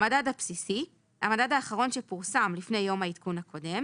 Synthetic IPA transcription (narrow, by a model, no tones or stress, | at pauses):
madadapsisi | ha̰madadaːχaʁo̞nʃepuʁsamlifne̞jːo̞mhaitkunhako̞de̞m